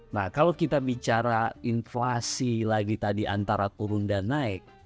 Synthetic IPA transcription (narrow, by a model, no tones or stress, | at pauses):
nakalokit̪abit͡ʃaɾainfasilaɡit̪adiʔa̰nt̪aɾakuɾʊŋdanaɛk̚